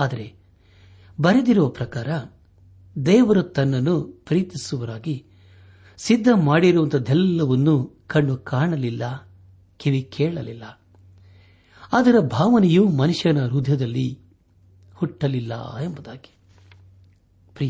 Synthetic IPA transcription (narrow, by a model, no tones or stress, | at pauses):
aːd̪ɐɾe̞ | bɐɾed̪iɾuʋɐpɾɐkaːɾɐ | d̪ɛːʋɐɾɐt̪ɐnːɐnːupɾiːt̪isuʋɐɾaːɡi | sid̪ʱːɐmaːɽiɾuʋɐnt̪ʰɐd̪ɛlːɐʋɐnːukɐɳːukaːɳɐlilːɐ | kiʋikʰɛːɭɐlilːɐ | ɐd̪ɐɾɐbʱaːʋɐnɛjuːmɐnuʂjɐnɐɾud̪ʱjɐd̪ɐlːi | huʈːɐlilːɐ̰embɐd̪a̰ːɡi̥ | pɾi